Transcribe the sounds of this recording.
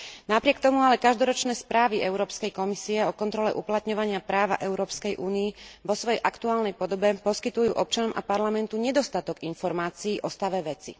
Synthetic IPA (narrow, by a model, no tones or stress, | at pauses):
napɾɪɛk̚t̪ɔmualɛkaʒd̪ɔɾɔt͡ʃnɛːspɾaːʋiɛʊɾɔːpskɛjkɔmisiɛɔkɔnt̪ɾɔlɛʔuplat̪ɲɔʋaɲɪapɾaːʋa̰ʔɛʊɾɔːpskɛjʔuːniːʋɔsʋɔjɛjʔakt̪uaːlnɛjpɔd̪ɔbɛpɔskit̪ujṵːʔɔp̚t͡ʃanɔmʔa̰paɾlamɛnt̪uɲɛd̪ɔst̪at̪ɔɡinfɔɾmaːt͡siːʔɔst̪aʋɛʋɛt͡sḭ